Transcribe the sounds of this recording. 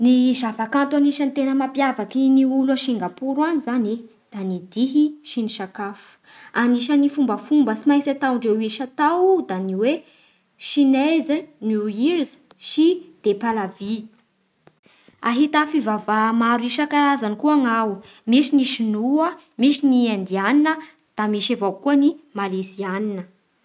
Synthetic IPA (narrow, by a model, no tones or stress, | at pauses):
nizafakant̪aniʃant̪enəmapjavakiniulaʃiŋɡapuɾwanizani | d̪̥anid̪iɦiʃiniʃakafu̥ | aniʃənifumbəfumbəsimajsat̪awɳɖ͡ʐewiʃat̪awd̪aniwe | ʃinezənuiɾzə̥ | ʃid̪̥epalavi | aɦit̪afivavamaɾuiʃakaɾazanikuaŋaw | miʃiniʃinuə | miʃiniand̪ianinə | d̪̥amiʃavawkuənimalesianinə